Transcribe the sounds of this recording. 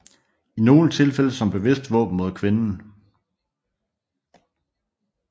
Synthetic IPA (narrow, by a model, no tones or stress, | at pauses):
ino̝ːnət͡sʰe̝lfel̰əsɒ̽mb̥e̝ʋe̝sd̥ʋɔ̰̽ːb̥n̩mo̝ð̞ˠkʰʋe̝nn̩